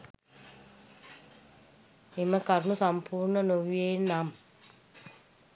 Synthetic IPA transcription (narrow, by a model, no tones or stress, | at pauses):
eməkaɾnusampʰuːɾɳənoʋjenːam